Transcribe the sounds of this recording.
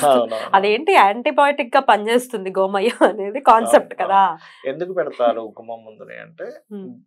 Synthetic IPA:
awunɐd̪eːɳʈiaːɳʈibaːlʈik̚ɡaːpɐɲt͡ʃe̞ːst̪und̪iɡoːmɐjːɐɐne̞ːd̪ikaːnsep̚ʈkɐd̪aː | end̪ukupɛɽɐt̪aːɾuːkumɐmːund̪unḛːɐ̰ɳʈeː

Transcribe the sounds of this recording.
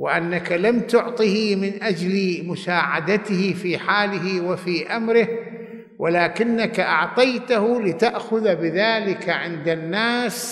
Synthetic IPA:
wɪ̰ʔanːakalamt̪ʊʕt̪ˤihmɪnʔad͡ʒlmʊʃaːʕad̪at̪ɪhɪfiːħaːlɪɦɪwɪfiːʔamɾɪh | wʔɪlaːkɪnːakaʔɑʕt̪ˤɑjt̪ahʊlɪt̪aʔxʊðbɪðaːlɪkaʕɪnd̪anːaːs

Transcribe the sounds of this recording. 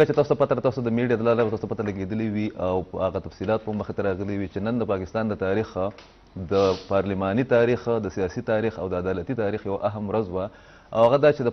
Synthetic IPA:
əkat͡ʃet̪ɑso̥t̪apat̪aɾat̪ɑsot̪ad̪əmeɖiɑd̪əlɑlabat̪ɑsot̪apat̪alaɡed̪əliwiʔawhaɣat̪afsilɑt̪̚pəməxet̪aɾɑɣəliwit͡ʃenənd̪əpɑkɪst̪ɑnd̪ət̪ɑɾix | d̪əpɑɾlimɑnit̪ɑɾixd̪əsijɑsit̪ɑɾixawd̪əːd̪ɑlat̪it̪ɑɾixjawaʔaɦamɾazwa | awhaɣad̪ɑt͡ʃed̪ə

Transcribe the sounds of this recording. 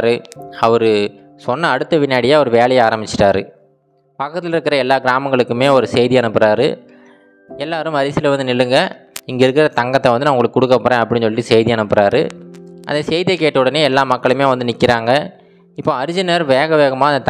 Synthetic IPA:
ɾɯɐʋɐɾɯ | sɔnːɐːɽɯt̪ːɐʋɪnjaːɽɪjaːɔɾɯʋeːɭɐjɐaːɾɐmbɪt͡ʃːɪ̥ʈːaːɾɯ̰ | pɐkːɐt̪ːɪlɪɾɯkːɪɾɐɛlːaːɡɪɾaːmɐŋɡɐɭɯkːɯmeːɔɾɯsɛjðɪjanɐpːɯɾaːɾɯ̰ | ɛlːaːɾɯ̃mɐɾɪsɪlɐʋɐnd̪ɯnɪlːɯŋɡɐɪŋɡɐɪɾɯkːɪɾɐt̪ɐŋɡɐt̪ːɐʋɐnd̪ɯnaːʊŋɡɐɭɯkːɯkːʊɽɯkːɐpːoːɾẽːɐpːɐɽɪnɲsɔlːɪʈːisɛjðɪjaːnɐpːɪɾaːɾɯ̰ʔɐ̰nd̪ɐsɛjðijɐkːeːʈːɐʋɯɽɐneːɛlːaːmɐkːɐɭɯmeːʋɐnd̪ɯnɪkːɪɾaːŋɡɐ | ɪpːoːɐɾɪd͡ʒɪnɐɾʋeːɣɐʋeːɣɐmaːɪnd̪ɐt̪

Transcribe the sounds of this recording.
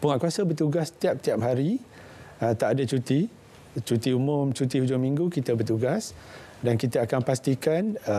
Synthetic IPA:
puŋaʔkuasəbərt̪uɡast̪iap̚t̪iap̚haɾi | ət̪aʔadət͡ʃut̪i | t͡ʃut̪iumʊmt͡ʃut̪ihud͡ʒʊmiŋɡukit̪əbərt̪uɡas | dankit̪əakanpast̪ikan

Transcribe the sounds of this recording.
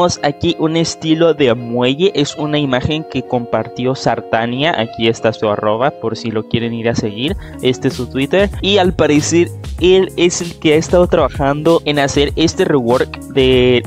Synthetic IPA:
osakiʔune̞st̪ilo̞ðe̞mwe̞ʝe̞ʔe̞sunaimaxe̞ŋke̞ko̞mpaɾt̪jo̞saɾt̪anjaʔa̰kie̞st̪asua̰ro̞β̞apo̞ɾsilo̞kje̞ɾe̞niɾase̞ɣiɾ | e̞st̪esut̪wit̪eɾialpaɾe̞se̞ɾele̞se̞lke̞aest̪aðo̞t̪ɾaβaxand̪o̞ʔe̞nase̞ɾe̞st̪e̞rewo̞ɾkd̪e̞

